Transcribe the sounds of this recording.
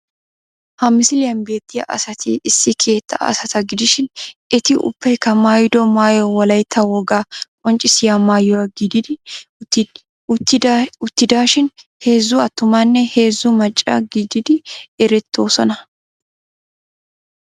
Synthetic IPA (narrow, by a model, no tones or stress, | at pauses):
hɐmːɪsɪlɪjɐnbe̞ːt̪ːɪjɐ̰ʔɐ̰sɐt̪ʰɪʔɪsːɪkʰe̞ːt̪ːɐ̰ɐ̰sɐt̪ɐɡɪd̪ɪʃɪnɪt̪ɪʔʊ̰pːɛjkɐmaːjɪd̪ɔmaːjɔwɐlɐjt̪ʰːɐwɔɡaːkʼɔnt͡ʃʼɪsɪjamaːjɔwɐɡid̪ɪd̪ | ʊt̪ːɪd̪aːʃɪnheːzːʊɐt̪ːʊmɐnːɛhe̞ːzːumɐt͡ʃʼːa̰ɡɪd̪ɪd̪ɪɛɾɛt̪ʰːoːsɔnɐ